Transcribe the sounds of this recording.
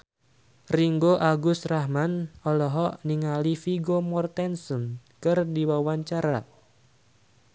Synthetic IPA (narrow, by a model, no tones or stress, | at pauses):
riŋɡoʔaɡʊst̪rahmanɔlɔɦɔʔniŋalifiɡomɔrt̪ɛnsənkɨrdiwawaɲt͡ʃaɾa